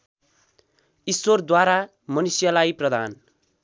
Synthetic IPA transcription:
iswʌrd̪waɾa | mʌnisjʌlajprʌd̪ʱa̰n

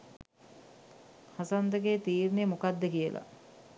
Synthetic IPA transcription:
hasand̪əɡeːt̪iːɾnemokad̪ːəkijəla̰

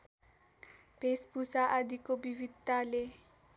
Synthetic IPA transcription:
b̥espusaʔad̪ikobivit̪ːale

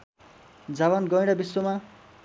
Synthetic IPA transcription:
d͡zaβʌnɡʌj̃ɽʌbiswoma

